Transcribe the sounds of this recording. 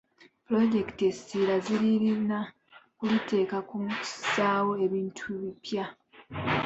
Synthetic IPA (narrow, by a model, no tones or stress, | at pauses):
pulo̞ɟe̞ktie̞silaziɾiɾina | kulute̞ːkakumi̥saːwo̞e̞βiːntʰuβipja